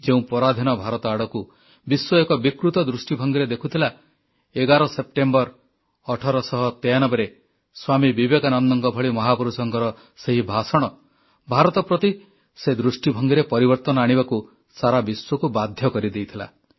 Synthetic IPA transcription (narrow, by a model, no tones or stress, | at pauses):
d͡ʒeũpɔɾad̪ʱinɔbʱaɾɔt̪ɔaɽɔku | biswɔekɔbikɾut̪ɔd̪ɾusʈibʱɔŋɡiɾed̪ekʰut̪ʰila | eɡaɾɔsep̚ʈembɔɾ | ɔʈʰɔɾɔsɔɦɔt̪ejanɔbeɾe | swamibibekanɔnːɔŋkɔbʱɔɭimɔɦapɔɾusɔŋkɔɾɔ | seɦibʱasɔɽ̃ɔ | bʱaɾɔt̪ɔpɾɔt̪i | sed̪ɾusʈibʱɔŋɡiɾepɔɾibɔɾt̪ɔnɔaɽ̃ibaku | saɾabiswɔkubad̪ʱjɔkɔɾid̪ejt̪ʰila̰